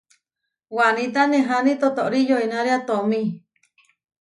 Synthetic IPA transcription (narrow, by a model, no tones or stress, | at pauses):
wanĩt̪̬anẽɦanit̪ot̪oʔɾijoinaɾeat̪omĩ